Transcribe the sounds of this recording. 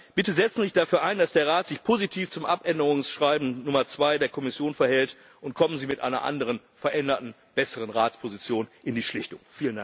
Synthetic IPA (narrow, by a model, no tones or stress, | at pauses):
b̥ɪtəzɛt͡sn̩zɪçd̥afyːɐʔaɪndasd̥eːɐʁaːtz̥ɪçpʰozitʰiːft͡sʊmʔapʔɛndəʁʊŋsʃʁ̥aɪbmn̩nʊmɐt͡sv̥aɪdeːɐkʰɔmɪsjoːnfɛɐhɛlt | ʔʊntkʰɔmənziːmɪtʔa̰ɪnɐ̰ʔa̰ndəʁən | fɛɐʔɛndɐtn̩ | b̥ɛsəʁənʁaːtt͡spʰozit͡sjoːnʔɪndiːʃlɪçtʊŋfiːləndaŋ